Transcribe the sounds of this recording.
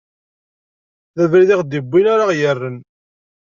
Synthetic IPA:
ðævɾiðiʁd̪ibʷːinaɾaʁjərːən

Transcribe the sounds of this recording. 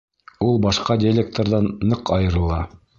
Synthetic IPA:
ulˠbɑʃqɑdʲelʲek̚t̪oɾðɑnːɤqɑjɤ̆ɾɤ̆lˠɑ

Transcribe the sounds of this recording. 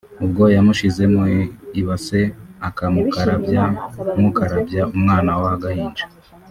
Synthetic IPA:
ubɡo̞jamuʃize̞mŋeiβase̞akamukaɾaamukaɾabjaumŋaːnawahaɡahiːnd͡ʒe̥

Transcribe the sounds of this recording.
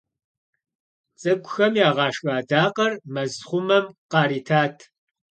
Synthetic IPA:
t͡sʼɨkʷʼʊxɐmjaːʁɑːʂʼaːdaːqɐrmɐzχʷʊmɐmqɑːɾiːtʰaːtʰ

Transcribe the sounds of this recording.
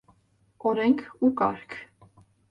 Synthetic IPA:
ɔɾɛŋkʰukɑ̰ɾkʰ

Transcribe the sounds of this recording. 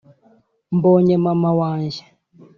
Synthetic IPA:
mbɔɲɛmamawanʒɛ

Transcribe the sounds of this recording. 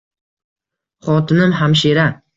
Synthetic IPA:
χɒt̪ʰɪnɪmɦamʃ̬eɾa

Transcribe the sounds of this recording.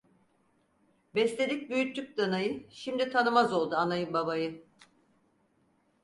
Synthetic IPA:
bɛslʲed̪ic̚byjyt̪ʰːyk̚d̪anajɯʃimd̪it̪ʰanɯmazo̞lˠd̪uanajɯmbabajɯ

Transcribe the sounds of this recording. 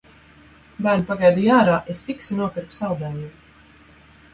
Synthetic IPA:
bæːɾnpaɡajd̪ijaːɾaːʔespiksinuɔpiɾksawd̪ɛːju

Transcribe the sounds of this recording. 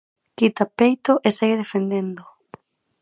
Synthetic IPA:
kit̪apejt̪oʔeseɣeðefend̪end̪o

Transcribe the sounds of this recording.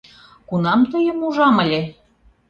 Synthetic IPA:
kunɑmt̪əjəmuʒɑmə̆lʲe

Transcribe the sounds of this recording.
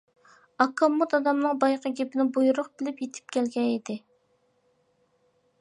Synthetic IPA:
ɑkʰːɑmːut̪ɑd̪ɑmnɨŋbɑjqʰɑɡʲepɪnɪbujuɾʊqbɪlɪpjet̪ʰɪ̥p̚kʲʰɛlɡʲɛid̪ɪ

